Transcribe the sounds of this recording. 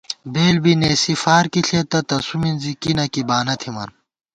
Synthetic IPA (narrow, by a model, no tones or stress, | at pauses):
beːlbineːsifaːɾkiɬʰet̪ɐt̪ɐsuminzikinɐkibaːnɐt̪ʰimɐ̰n